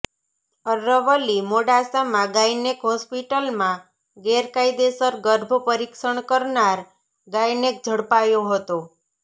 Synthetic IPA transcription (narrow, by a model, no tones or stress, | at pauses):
əɾəʋəlimoɖasamãɡajnekɦɔspiʈəlmã | ɡeɾkajd̪esəɾɡəɾbʱəpəɾikʃəɳkəɾnaɾ | ɡajnek̚d͡ʒʱəɽpajoɦət̪o